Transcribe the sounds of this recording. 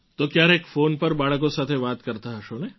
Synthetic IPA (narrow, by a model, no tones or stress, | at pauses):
t̪oːkjaːɾeːkfoːnpɐɾbaːɭkõsaːt̪ʰebaːt̪kɐɾt̪aɦɛʃoːne